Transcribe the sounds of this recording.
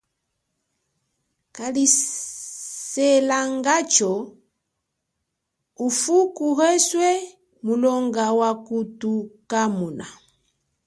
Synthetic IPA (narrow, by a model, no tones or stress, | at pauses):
kali | sɛlaŋɡat͡ʃɔ | ufukuɦɛswɛ | mulɔŋɡawakutukamuna